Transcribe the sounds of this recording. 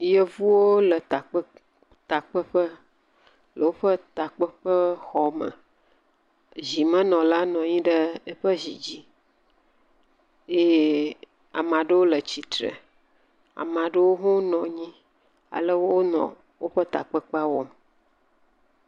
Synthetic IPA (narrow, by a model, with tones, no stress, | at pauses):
jə˦vu˦wo˦lə˨t̪a˨k͡pə˦ | t̪a˨k͡pə˦ɸə˦ | lə˨wo˦ɸə˦t̪a˨k͡pə˦ɸə˦xɔ˨mə̰̃˨ | zi˨mə̃˦nɔ̃˨la˦nɔ̃˨ɲĩ˦ɖə˦ə˦ɸə˦zi˨d͡ʑi˦ | je˦ | a̰˨mã˨ɖə˦wo˦lə˨t͡ɕi˨t̪ɾə̰˨ | a̰˨mã˨ɖə˦wo˦ɦũ˦nɔ̃˨ɲĩ˦ | a̰˨lə˦wo˦nɔ̰̃˨ | wo˦ɸə˦t̪a̰˨k͡pə˦k͡pa˦wo˦m